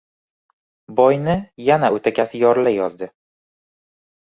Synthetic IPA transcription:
bɒjnɪjanaɵt̪ʰakʲʰasɪjɒɾlajɒzd̪ɪ

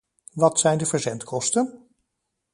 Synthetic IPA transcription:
ʋɑtsɛjndəvəɹzɛntkʰɔstən

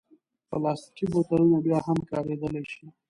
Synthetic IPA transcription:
pəlɑsʈibot̪aɾunabjɑɦamkɑɾed̪əleʃi

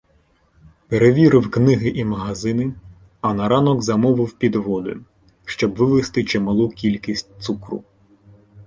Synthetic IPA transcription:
peɾeʋʲiɾɪwknɪɦɪʔimɐɦɐzɪnɪ | ɐnɐɾɑnɔɡzɐmɔʋɪwpʲid̪ʋɔd̪ʊ̰ | ʃt͡ʃɔbʋɪʋɪst̪ɪt͡ʃemɐlˠukʲilʲkʲisʲt̚ʲt̪sukɾṵ

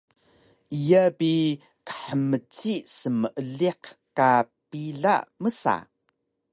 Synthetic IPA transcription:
ʔijabi | kə̥ħəmət͡sisəməʔəɮiqka | piɮa̰məsa̰

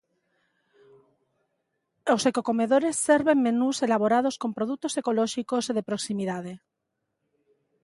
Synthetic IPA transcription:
osekoko̞meðoɾe̞sːeɾβe̞ŋmenuse̞laβoɾað̞osko̞mpɾoðut̪ose̞koloʃikosðepɾoksimiðað̞e

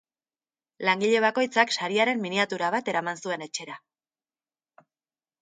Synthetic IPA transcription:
laŋɡiʎe̞βako̞jt͡saksaɾiaɾe̞mːiniat̪uɾaβ̞at̪e̞ɾamansue̞ne̞t͡ʃe̞ɾa

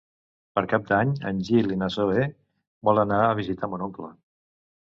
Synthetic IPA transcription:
pəɾkap̚d̪aɲə̰nʲʒilinəsoe | bɔlˠənaəβizit̪amunoklə

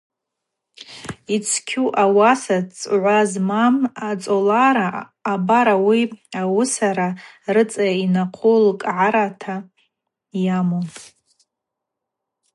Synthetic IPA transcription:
it͡sʰkʲʰuʔawasat͡sʼʕʷazmamat͡sʼolaɾaː | baɾawiawʊsaɾa | rɨt͡sʼajainaqʷʰulkʼʕaɾatʰa | jamon

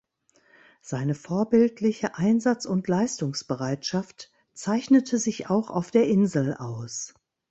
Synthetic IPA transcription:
z̥aɪnəfoːɐbɪltʰlɪçəʔaɪnzat͡sʊntlaɪstʊŋsb̥əʁaɪtʃaft | t͡saɪçnətʰəzɪçaʊxa̰ʊfd̥eːɐʔɪnzl̩a̰ʊs

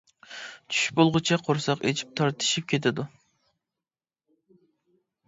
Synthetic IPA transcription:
t͡ʃʰy̥ʃbolˠʁʊt͡ʃʰɛqʰoɾsɑqet͡ʃʰi̥p̚t̪ʰɑɾt̪ʰɨ̥ʃip̚kʲet̪ʰɪd̪u

